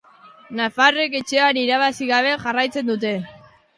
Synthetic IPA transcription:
nafare̞ke̞t͡ʃe̞aniɾaβ̞asiɣaβe̞ʝarajt͡se̞nd̪ut̪̬e̞

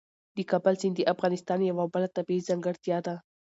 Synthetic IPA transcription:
d̪əkɑbalsind̪əʔafɣɑnɪst̪ɑnjawabəlat̪abiizaŋɡəɽt̪jɑd̪a

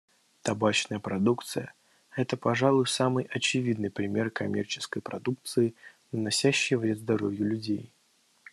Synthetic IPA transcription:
t̪ɐbat͡ɕnəjəpɾɐd̪ukt̪sɨjə | ɛt̪əpɐʐalˠʊjsamɨjʔɐt͡ɕɪvʲid̪nɨjpɾʲɪmʲe̞rkɐmʲert͡ɕɪ̥skəjpɾɐd̪uk̚t̪sɨɪnənɐsʲæɕːɪjvɾʲed̪zd̪ɐɾovʲjʊlʲʉdʲej

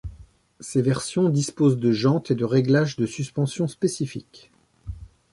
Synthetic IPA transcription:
sevɛʁsjɔ̃d̪ispozd̪əʒɑ̃t̪ed̪əʁeɡlaʒd̪əsyspɑ̃sjɔ̃spesifḭk

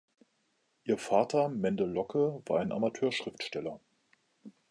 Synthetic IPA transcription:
ʔiːɐfaːtʰɐmɛndəlɔkʰəvaːɐaɪnʔa̰matʰøːɐʃʁ̥ɪftʃtɛlɐ

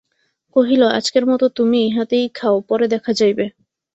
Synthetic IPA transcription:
koɦiloa̰d͡ʑkeɾmɔt̪ot̪umiɦat̪ejkʰaopɔɾed̪ɛkʰad͡ʑajbe

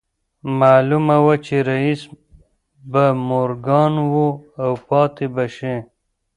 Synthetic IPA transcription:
maːlumawat͡ʃeɾais | bamoɾɡɑːnwoawpɑːt̪ebaʃe

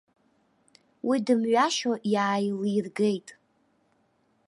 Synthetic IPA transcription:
wʔidɨmɥaʃoʔjaːjlirɡe̞jtʼ

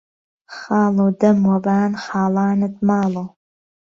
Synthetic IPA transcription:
χɑːlod̪ɐmwɐbaːnχɑːlɑːnɨt̪̚mɑːlo

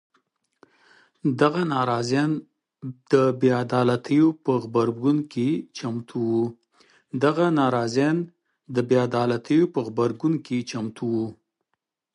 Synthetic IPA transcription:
d̪aɣanɑɾɑzɑn | d̪̥əbead̪ɑlat̪ʰəjopəɣbaɾɡunket͡ʃamt̪ʰuwu | d̪aɣanɑɾɑzan | d̪əbead̪ɑlat̪ʰəjopəɣbaɾɡunket͡ʃamt̪ʰuwu

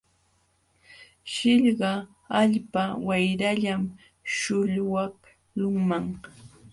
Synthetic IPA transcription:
ʃɪʎɢɑ | aʎpawajɾaʎam | ʃʊʎwɑh | lʊŋmaŋ

